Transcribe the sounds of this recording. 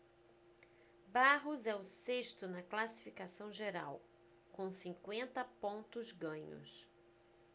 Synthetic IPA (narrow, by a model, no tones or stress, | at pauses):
baɦʊzɛʊseʃt̪ʊnɐklasi̥fikasɐ̃w̃ʒeɾa̰w | kõw̃sĩŋkwẽnt̪ɐpõnt̪ʊzɡɐ̃ɲʊ̰s